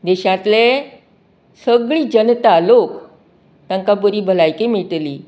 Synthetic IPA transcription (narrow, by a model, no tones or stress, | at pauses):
d̪eɕãt̪le | səɡɭiːd͡ʑənt̪alok | t̪ãŋkabəɾiːbʱəlajkemeʈliː